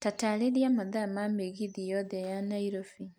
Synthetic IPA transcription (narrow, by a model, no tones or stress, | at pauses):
tataleɾiamaðamameɣiðijɔðɛjanaiɾofi